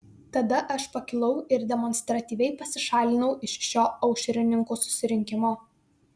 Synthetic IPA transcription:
t̪ɐd̪ɐʔɐʃpɐkʲɪlˠɒʊɪɾd̪ʲɛmɔnʲst̪ɾɐt̪ʲiːʋʲɛɪpɐsʲɪʃɑːlʲɪnɐʊʔɪʃʃʲoːɐʊʃʲɛɾʲɪnʲɪŋkuːsʊ̥sʲɪɾʲɪŋʲkʲɪmoː

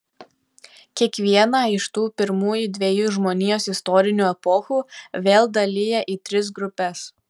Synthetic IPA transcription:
kʲiɛkʋʲiɛnɑːɪʃt̪uːpʲɪɾmuːjud̪ʲʋʲeːjuːʒmoːnʲiːjoːsɪst̪ɔːɾʲɪnʲuːɛpɔxuːʋʲeːlˠd̪ɐlʲɪjɛʔiːt̪ʲɾʲɪs̬ɡɾʊpʲɛs

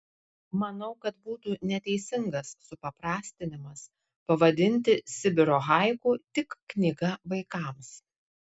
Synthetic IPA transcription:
mɐnɐʊkɐt̪buːt̪uːnʲɛt̪ʲɛɪsʲɪŋɡɐsːʊpɐpɾɑːsʲt̪ʲɪnʲɪmɐs | pɐʋɐd̪ʲɪnʲˑt̪ʲɪsʲɪbʲɪɾoːɣɑɪkuːt̪ʲɪkːnʲɪɡɐʋɐɪkɑˑms

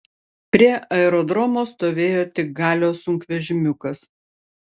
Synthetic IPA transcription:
pʲɾʲiɛʔɐɛɾɔd̪ɾɔmoːst̪oːʋʲeːjoːt̪ʲɪk̚ɡɑːlʲoːsʊŋʲkʋʲɛʒʲɪmʲʊkɐs

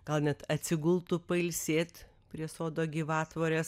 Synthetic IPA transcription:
ɡ̥ɐlˠnʲɛt̪ɐt̪ʲsʲɪɡʊlˠt̪ʊpɐɪlʲsʲeːt̪ | pʲɾʲiɛsoːd̪oːɡʲiːʋɑːt̪ʋoːɾʲeːs

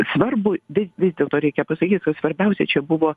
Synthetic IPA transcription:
sʋɐrbʊʋʲɪʋʲɪzdʲeːlˠt̪oːɾʲɛɪkʲɛpɐsɐkʲiːt̪̚kɐsʋɐɾʲbʲɛʊsʲɛt͡ʃʲɛbʊʋoː

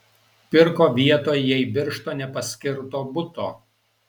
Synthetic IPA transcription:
pʲɪɾkoːʋʲiɛt̪oːjjɛɪbʲɪɾʃt̪oːnʲɛpɐsʲkʲɪɾt̪oːbʊt̪oː

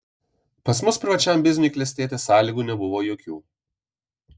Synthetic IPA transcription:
pɐs̬mʊspʲɾʲɪʋɐt͡ʃʲɛmʲbʲɪzʲnʲʊkʲlʲɛsʲt̪ʲeːt̪ʲesɑːlʲiːɡuːnʲɛbʊʋoːjoːkʲuː

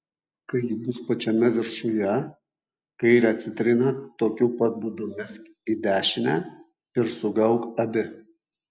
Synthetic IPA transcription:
kɐɪjibʊspɐt͡ʃʲɛmʲɛʋʲɪɾʃʊjɛ | kɐɪiɾʲɐt̪ʲsʲɪt̪ʲɾʲɪnɐt̪oːkʲuːpɐt̪̚bud̪ʊmʲɪsʲkʲ | id̪ʲæːʃʲɪnʲæ | ɪɾsʊɡɐʊkɐbʲɪ

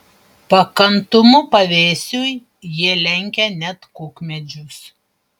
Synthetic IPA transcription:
pɐkɐnt̪ʊmʊpɐʋʲeːsʲuj | jiɛlʲɛŋʲkʲɛnʲɛt̪kʊkmʲɛd͡ʒʲʊs

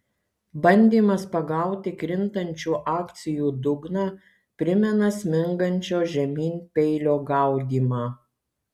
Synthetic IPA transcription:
bɐnʲd̪ʲiːmɐspɐɡɐˑʊt̪ʲɪkɾʲɪnt̪ɐnʲt͡ʃʲuːʔɑːkt̪sʲɪjuːd̪ʊɡnɑː | pʲɾʲɪmʲɛnɐsʲmʲɪŋɡɐnʲt͡ʃʲoːʒʲɛmʲiːnʲpʲɛɪlʲoːɡɐˑʊd̪ʲiːmɑː

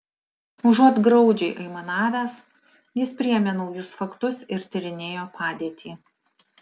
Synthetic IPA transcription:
ʊʒuɔt̪ɡɾɐʊd͡ʒʲɛɪʔɐɪmɐnɑːʋʲæːs | jɪspʲɾʲɪɛmʲɛnɐʊjʊsfɐkt̪ʊsɪɾt̪ʲɪɾʲɪnʲeːjoːpʰɑːd̪ʲiːt̪ʲʰiː

